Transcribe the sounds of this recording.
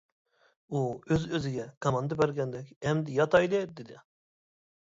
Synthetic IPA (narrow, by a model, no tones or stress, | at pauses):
uøzøzɪɡʲɛkʰɑmɑnd̪ɨbɛɾɡʲɛnd̪ɛkʲɛmd̪ɪjɑt̪ɑjlˠɨd̪ɪd̪ɪ